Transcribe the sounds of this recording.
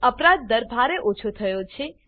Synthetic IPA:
əpɾad̪̚ːəɾbʱaɾeʔot͡ʃʰot̪ʰəjot͡ʃʰe

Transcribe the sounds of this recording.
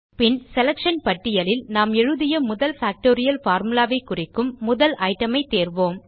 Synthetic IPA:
pɪnsɛlɐkʂɐnpɐʈːɪjɐlɪlnaːmɛɻɯðɪjɐmʊðɐlfaːk̚ʈoːɾɪjɐlfaːɾmɯlaːʋɐɪkːʊrɪkːɯmːʊðɐlɐɪʈːɐmɐɪt̪eːɾʋoːm

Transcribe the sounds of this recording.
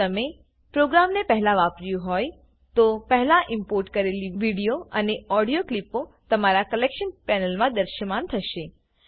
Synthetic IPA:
t̪əme | pɾoɡɾamnepɛɦlaʋapɾjũɦɔj | t̪opɛɦlaʔɪmpoɾʈkəɾeliʋiɽijoəneɔɽijoklipot̪əmaɾakəlekʃənpɛnəlmãd̪əɾʃəmant̪ʰəʃe

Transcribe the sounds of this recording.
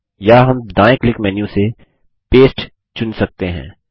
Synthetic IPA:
jaɦɐmd̪aːjɪklɪkmɛːnjũse | peːsʈ | t͡ʃʊnsɐk̚t̪eɦɛ̰̃ː

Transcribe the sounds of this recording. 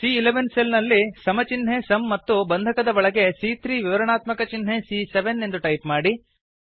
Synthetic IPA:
siːleʋenselnɐlːisɐmɐt͡ʃinɦe̞sɐmːɐt̪ːubɐnd̪ʱɐkɐd̪ɐʋɐɭɐɡe̞siːt̪ʰɾiːʋiʋɐɾɐnaːt̪mɐkɐt͡ʃinɦe̞siːseʋenːe̞nd̪uʈɐjpmaːɽi

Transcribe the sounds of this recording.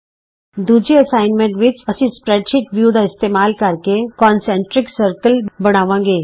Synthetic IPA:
d̪uːd͡ʒiɐsaːɪnmẽɳʈʋɪt͡ʃɐsĩspɾɛːʈʃɪkʋjuːd̪ʱaɪst̪eːmaːlkɐɾkekɔːnsɛ̃ːɳʈɾɪksəɾkəlbɐɽ̃aːʋãːŋɡeː

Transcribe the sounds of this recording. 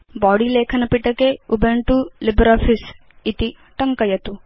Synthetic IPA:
baːɽileːkʰɐnɐpiʈɐkeubeɳʈulibɾaːfʰis | it̪i | ʈɐŋkɐjɐt̪u

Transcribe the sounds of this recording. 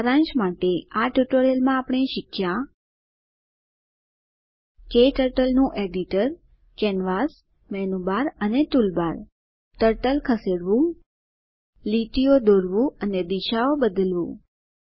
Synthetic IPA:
aɾãnd͡ʒmaʈeaʈuʈoɾelmãːpəɳ̃eʃɪkʰjã | keʈəɾʈəlnũʔeɖiʈəɾ | kɛnʋas | mɛnubaɾənet̪ulbaɾ | ʈəɾʈəlkʰəseɽʋũ | liʈ̪ijod̪oɾʋũəned̪iʃaobəd̪əlʋṵ̃

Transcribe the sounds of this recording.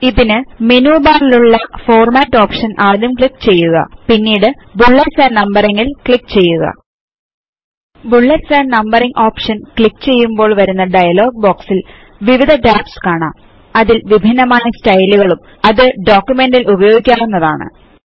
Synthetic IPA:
iðinɨmenuːbaːriluɭːɐfo̞ːrmaːtːo̞ːpʂɐnʔaːd̪jɐmkɭikːt͡ɕe̞jːuɣɐ̰pinːiːɽɨbuɭːɐrsaːnnɐmbɐriŋːilkɭikːt͡ɕe̞jːuɣɐ̰ | buɭːɐɾsaːnnɐmbɐriŋɡo̞ːpʂɐnkɭikːt͡ɕe̞jːumbo̞ːɭʋɐɾunːɐɖɐjɐlo̞ːɡ̚bo̞ːksil | ʋiʋid̪ʱɐɖaːpskaːɳa̰ːm | ɐðilʋibʱinːɐmaːjɐstɐjluɣɐɭum | ɐðɨɖo̞ːkʲːjume̞ndilubɐjoːɡikʲːaːmenːɐða̰ːɳɨ̰

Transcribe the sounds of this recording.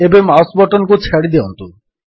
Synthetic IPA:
ebemawsbɔʈonkut͡ɕʰɛɽid̪iont̪u

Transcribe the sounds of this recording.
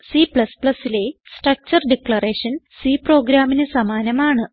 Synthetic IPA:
sipɭɐspɭɐsːile̞sʈrɐk̚t͡ɕɐrɖikɭɐreːʂɐn | siːpro̞ːɡɾaːminɨsɐmaːnɐmaːɳɨ

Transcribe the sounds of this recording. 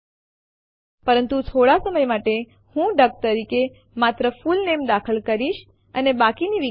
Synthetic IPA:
pəɾənt̪ut̪ʰoɽasəməjmaʈe | hũɖəɡ̚t̪əɾike | mat̪ɾəfulnemd̪akʰəlkəɾiʃ | ənebakiniʋi

